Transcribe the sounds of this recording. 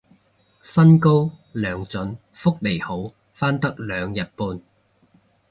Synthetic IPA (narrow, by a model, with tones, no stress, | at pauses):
sɐ˥nko˥wlœː˨ŋt͡sɵ˨˥n | fʊ˥k̚le˨˩jho˨˥w | faː˥nt̪ɐ˥k̚lœː˨˧ŋjɐ˨t̚puː˧n